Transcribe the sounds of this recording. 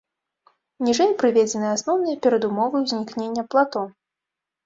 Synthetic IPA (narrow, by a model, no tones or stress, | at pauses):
nʲiʐɛjpɾɨvʲed͡zʲɛnɨjasnɔwnɐjɐpʲɛɾɐd̪umɔvɨwzʲnʲiknʲenʲːɐplˠat̪ɔ